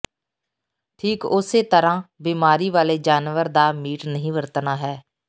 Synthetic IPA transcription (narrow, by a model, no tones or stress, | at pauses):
ʈʰiːkʊseːt̪əɾãːbiːmaːɾiːʋaːleːd͡ʒaːnʋəɾd̪aːmiːʈnəɦĩːʋəɾt̪naːɦɛː